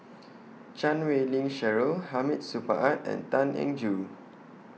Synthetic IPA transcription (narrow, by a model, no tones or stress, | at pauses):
t͡ʃãnwelĩŋʃɛɹohamit̚supə̰ʔat̚ɛ̰̃ntãnɛ̰̃ŋd͡ʒu